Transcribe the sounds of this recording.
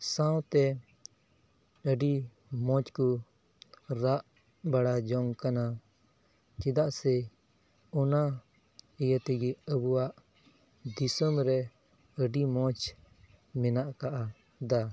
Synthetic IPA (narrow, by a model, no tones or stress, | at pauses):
sãwt̪ɛ | əɖi | mɔ̃t͡ʃku | ɾaʔ | baɽad͡ʒɔŋkana | t͡ʃid̪aʔsɛ | ɔna | ijət̪ɛɡiəbuwaʔ | d̪isəmɾɛ | əɖimɔ̃t͡ʃ | mɛnaʔkaʔa | d̪a